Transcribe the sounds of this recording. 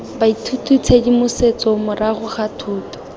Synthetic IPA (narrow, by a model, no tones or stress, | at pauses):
baitʰutʰut͡sʰedimʊset͡sɔmʊraχʊχatʰuːtʰɔ̥